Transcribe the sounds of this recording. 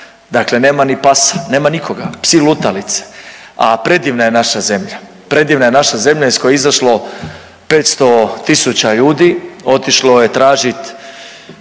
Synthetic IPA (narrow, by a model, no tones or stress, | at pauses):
d̪akle̞ne̞ːmanipasḁne̞ːmanikoɡapsilut̪alit̪se̥ | apɾe̞d̪iʋnaje̞naʃaze̞mʎa | pɾe̞d̪iʋnaje̞naʃaze̞mʎaiskojeizaʃlo̞ | pe̞ːt̪st̪o̞t̪isut͡ɕaʎuːd̪io̞t̪iʃloje̞t̪ɾaːʒit̪